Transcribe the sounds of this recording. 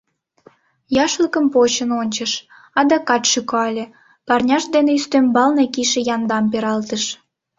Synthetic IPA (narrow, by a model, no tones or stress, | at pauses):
jɑʃləkəmpot͡ɕənonʲt͡ɕəʃ | ɑd̪ɑkɑt̪ʃykɑlʲĕ | pɑrnʲɑʃd̪eneyst̪ømbɑlnekiʃejɑnd̪ɑmpeɾɑlt̪əʃ